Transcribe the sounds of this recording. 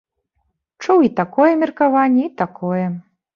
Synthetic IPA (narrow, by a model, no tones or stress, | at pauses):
t͡ʂuwit̪akɔjɛmʲirkavanʲːɛit̪akʰɔjɛ